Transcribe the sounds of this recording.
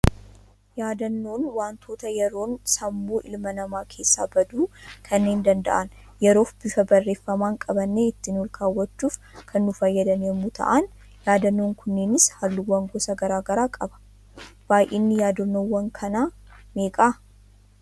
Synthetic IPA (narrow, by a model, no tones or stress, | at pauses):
jaːd̪ɐnːo̞ːnwaːnt̪ʰo̞ːt̪ɐjɛɾo̞ːnsɐmːuːʔɪlmɐnɐmaːkʰe̞ːsːa̰ːbɐd̪uːkʰɐnːe̞ːnd̪ɐnd̪ɐ̰ʔɐn | jɛɾo̞ːfb̥ɪfɐbɐrːe̞ːfːɐmaːŋkʼɐbɐnːeɪt̪ːɪnɔlkʰaːwːɐt͡ʃːuːf | kʰɐnːʊfɐjːɐd̪ɐnɛmːut̪ʰɐ̰ʔan | jaːd̪ɐnːo̞ːŋkʰʊnːe̞ːnɪshɐlːuwɐŋɡɔsɐɡɐɾaːɡɐɾaːkʼɐbɐ̥ | b̥aːjʔeːnːɪjaːd̪onːowːɐŋkʰɐnaː | meːkʼaː